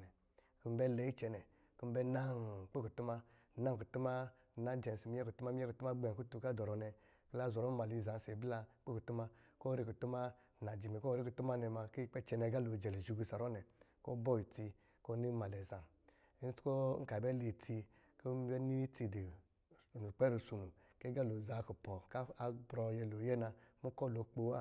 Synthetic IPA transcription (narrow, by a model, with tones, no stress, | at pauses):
nɛ˨ | ki˦m̩˦bɛ˦lɛ˨˦i˦t͡ʃɛ˧nɛ˨ | ki˦m̩˦bɛ˦na˦˨k͡pe˦ku˨tu˦ma˦ | na˦ŋ˨ku˨tu˦ma˦˨ | na˦d͡ʒɛ˨n˨si˨mi˦ɛ˦ku˨tu˦ma˦mi˦ɛ˦ku˨tu˦ma˦ɡ͡bɛ˨ku˦tu˨˧˨ka˦dɔ˨ɾɔ˨nɛ˧ | ki˦la˦zɔ˨ɾɔ˦ma˨li˧˨za˨˦se˨˦bla˧k͡pe˦ku˨tu˦ma˦ko˦ɾe˦ku˨tu˦ma˦ | na˨d͡ʒi˨mi˨ko˦ɾi˦ku˨tu˦ma˦nɛ˧ma˧ki˦˨k͡pɛ˦t͡ʃɛ˨˧nɛ˧˦ɡa˦lo˨d͡ʒɛ˨li˨ʒu˧˨ɡu˧sa˨ɾɔ˦nɛ˨ko˦bɔ˦i˨ti˧ | ko˦ni˦ma˨lɛ˨za˨˦ | sko˦ŋ̩˦ka˨bɛ˦le˨tʰi˧ | ko˦bɛ˦ni˦i˦ti˧de˨ | nu˨k͡pɛ˦ɾu˧su˧nu˨ | ke˦ɡa˦lo˨za˨ku˨pɔ˨ka˦a˦bɾɔ˧jɛ˧lo˨˦jɛ˦na˧mu˦kɔ˦˨lo˨k͡po˨˦a˦˨